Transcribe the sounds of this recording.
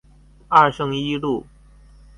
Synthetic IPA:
ɐ˥˧ʂɤ˥˧ŋi˥lu˥˩

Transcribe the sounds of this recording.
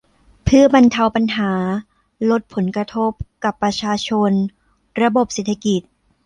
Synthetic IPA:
pʰɯ˥˩ɐpa˧nt̪ʰa˧wpa˧nɦaː˩˦ | lo˦˥t̪̚pʰo˩˦nkɾa˧t̪ʰo˦˥˩p̚ka˨˩pːɾa˧t͡ɕʰaː˧t͡ɕʰo˧n | ɾa˧bo˨˩p̚seː˨˩t̪ʰːa˧ki˨˩t̪̚

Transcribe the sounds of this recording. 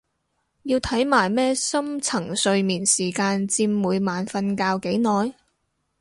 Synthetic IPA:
jiː˧wt̪ʰɐ˨˥jmaː˨˩jmɛː˥sɐ˥mt͡sʰɐ˨˩ŋsɵ˧ɥmiː˨˩nsiː˨˩kaː˧nt͡siː˧mːuː˨˧jmaː˨nfɐ˧nkaː˧wke˨˥jnɔː˨j

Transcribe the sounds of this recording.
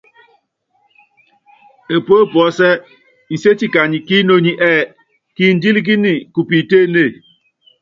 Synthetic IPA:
e˨po˦˨pɔ˨˦sɛ˦ | i˨se˦ti˦ka˨ɲi˨ki˦no˦ɲi˦ʔɛ˦˨ | ki˦n̩˨˦di˦li˦k̬i˦ni˨ku˨pi˨te˦˨ne˦˨

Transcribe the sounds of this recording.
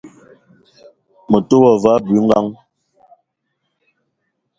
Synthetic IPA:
mə˨to˦wɔ˨va˨˦bi˨˦ŋɡa˦ŋ

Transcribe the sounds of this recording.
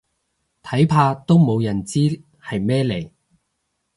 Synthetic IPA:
t̪ʰɐ˨˥jpʰaː˧t̪o˥wmo˨˧wjɐ˨˩nt͡siː˥ | hɐ˨jmɛː˥le˨˩j

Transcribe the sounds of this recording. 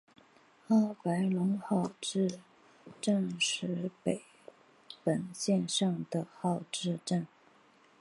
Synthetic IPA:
xɑ˥˩ʊpa˧˥ɪlʊ˧˥ŋxɑ˥˩ʊʈ͡ʂɻ̩˥˧ | ʈ͡ʂə˥˩nʂɻ̩˧˥pe˨˩ɪ | pə˨˩nɕjɛ˥˧nʂɑ˥˩ŋd̪ə˩xɑ˥˧ʊʈ͡ʂɻ̩˥˧ʈ͡ʂə˥˩n

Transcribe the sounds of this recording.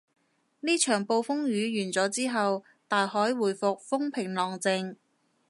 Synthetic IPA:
niː˥t͡ʃʰœː˨˩ŋpo˧wfʊ˥ŋjyː˨˧jyː˨˩nt͡sɔː˨˥t͡siː˥ɦɐ˨w | t̪aː˨jhɔː˨˥jwuː˨˩jfʊ˨k̚fʊ˥ŋpʰɪ˨˩ŋlɔː˨ŋt͡sɪ˧ŋ

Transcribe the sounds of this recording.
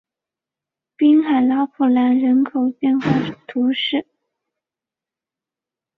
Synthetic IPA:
pi˥nxa˨˩ɪlɑ˧˥ʊpʰu˨˩la˧˥nɻə˧˥nkʰo˨˩ʊpjɛ˥˧nxwa˥˧˥t̪ʰu˧˥ʂɻ̩˥˩

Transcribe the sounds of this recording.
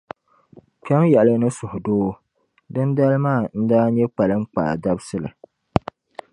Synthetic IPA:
k͡pɛ˦mjɛ˨lɨ˦nɨ˦sʊ˨hʊ˨doː˦ | dɨ˦nda˦lmaː˦˨n̩˦daː˦ɲɛ˦k͡pa˨lɨ˦ŋ͡mk͡pa̰˨da˦bsɨ˦lɨ̰˨

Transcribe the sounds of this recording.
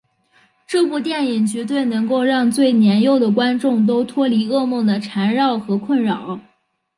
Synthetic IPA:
ʈ͡ʂɤ˥˧pu˥˧t̪jɛ˥˩ni˨˩ŋt͡ɕɥɛ˧˥t̪we˥˩ɪnɤ˧˥ŋko˥˧ʊɻɑ˥˧ŋt͡swe˥˩ɪnjɛ˧˥njo˥˩ʊd̪ə˩kwa˥nʈ͡ʂʊ˥˩ŋt̪̬o˥ʊt̪ʰwɔ˥li˧˥ɤ˥˧mɤ˥˩d̪ə˩ʈ͡ʂʰa˧˥nɻɑ˥˩ʊxɤ˧˥kʰwə˥˩nɻɑ˨˩˦ʊ

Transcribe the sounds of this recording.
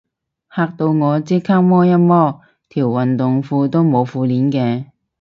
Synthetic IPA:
haː˧k̚t̪o˧wŋɔː˨˧t͡siː˥kʰaː˥k̚mɔː˥jɐ˥t̚mɔː˥ | t̪ʰiː˨˩wwɐ˨nt̪ʊ˨ŋfuː˧t̪o˥wmo˨˧wfuː˧liː˨˥nkɛː˧

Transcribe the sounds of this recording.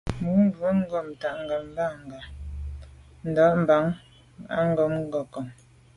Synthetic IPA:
mu˨˦ŋ̩˦bu˨˦ŋ̩˦ɡɔ˦˨m̩˨ta˨ʔŋ̩˨ɡa˨m˦ba˦˨ŋ˨ɡa˨ | n̩˨dɔ˨˦ʔm̩˨ba˨˦ŋ | a̰˦ŋ̩˦ɡɔ˨˦˨mŋ̩˦ɡɔ˨kɔ˨m

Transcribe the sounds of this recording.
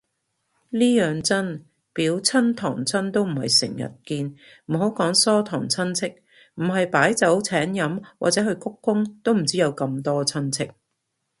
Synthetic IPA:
liː˥jœː˨ŋt͡sɐ˥n | piː˨˥wt͡sʰɐ˥nt̪ʰɔ̰ː˨˩ŋt͡sʰɐ˥nt̪o˥wm̩˨˩hɐ̰˨jsɪ̰˨˩ŋjɐ̰˨t̚kiː˧n | m̩˨˩ɦo˨˥wkɔː˨˥ŋsɔː˥t̪ʰɔː˨˩ŋt͡sʰɐ˥nt͡sʰɪ˥k̚ | m̩˨˩ɦɐ˨jpaː˨˥jt͡sɐ˨˥wt͡sʰɛː˨˥njɐ˨˥mwa̰ː˨t͡sɛː˨˥ɦɵ˧ɥkʊ˥kːʊ˥ŋt̪o˥wm̩˨˩t͡siː˥jɐ˨˧wkɐ˧mt̪ɔː˥t͡sʰɐ˥nt͡sʰɪ˥k̚

